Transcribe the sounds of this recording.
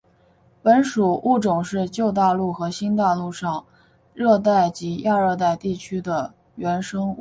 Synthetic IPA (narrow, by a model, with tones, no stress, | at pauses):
pə˧˥nʂu˨˩ʔu˥˩ʈ͡ʂʊ˨˩ŋʂɻ̩˥˧t͡ɕjo˥˧ʊt̪̬a˥˧lu˥˩xɤ˧˥ɕi˥nt̪̬a˥˧lu˥˧ʂɑ˥˩ŋ | ɻɤ˥˧t̪a˥˩ɪt͡ɕi˧˥ja˥˧ɻɤ˥˧t̪̬a˥˧ɪt̪i˥˩t͡ɕʰy˥d̪ə˨ | ɥɛ˧˥nʂɤ˥ŋ˥˩